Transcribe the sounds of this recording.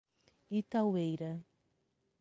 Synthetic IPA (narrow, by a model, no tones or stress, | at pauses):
it̪awejɾɐ